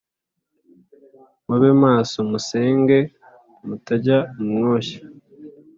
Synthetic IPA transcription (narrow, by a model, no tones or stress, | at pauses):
muβemaːsomuse̞ːŋɡe̞ | mutaɟaumo̞ːçḁ